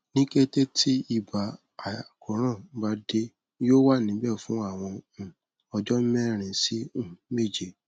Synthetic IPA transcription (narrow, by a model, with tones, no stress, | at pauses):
nĩ˦ke˦te˦tʰi˦i˦˨ba˨ | a˨a˨kʰɔ˨˦ɾ̃ã˦˨ba˨˦de˧ | joː˦wa˦˨nĩ˨˦bɛ˦˨fũ˦a˦˨w̃ɔ̃˧ũ˨ | ɔ˧d͡ʒɔ˦mɛ̃˦˨ɾ̃ĩ˧si˦ũ˦˨˦me˦˨d͡ʒe˨